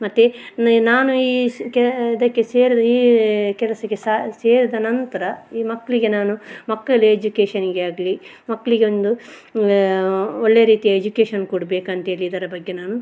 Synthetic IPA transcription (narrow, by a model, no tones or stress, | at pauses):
mɐt̪ːenaːnuiːkid̪ɐkːe̞seːɾid̪ɐiːkɛlɐsɐɡesaseːɾid̪ɐnɐnt̪ɐɾɐiːmɐkːɐɭiɡe̞naːnumɐkːɐɭeed͡ʒukeːʂɐniɡeaːɡɐli | mɐkːɐɭiɡeond̪u | oɭːeɐɾiːt̪ijɐed͡ʒukeːʃɐnkuɽbeːkɐnt̪e̞ːɭiːd̪ɐɾɐbɐɡːenaːnu